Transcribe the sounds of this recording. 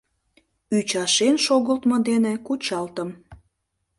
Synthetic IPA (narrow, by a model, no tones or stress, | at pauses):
yt͡ɕɑʃenʃoɣəlt̪mɤ̆d̪enekut͡ɕɑlt̪əm